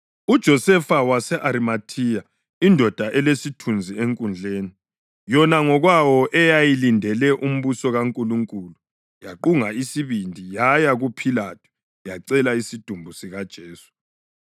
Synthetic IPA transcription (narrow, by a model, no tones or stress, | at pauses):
ud̥ʒ̥ʱɔsɛfawasɛʔaɾimatʰija | indʱɔd̥ʱaʔɛlesitʰund͡zʱieŋkʼund͡ɮʱeːni | jɔnaŋɔɣwawɔʔɛjajilindʱɛlɛʔum̩βusɔɣaŋkʼuluŋkʼulu | jaǃuŋaisiβindʱijajaɣupʰilatʰu̥ | jaǀɛlaisid̥ʱumbʱusiɣad̥ʒ̥ʱeːsu̥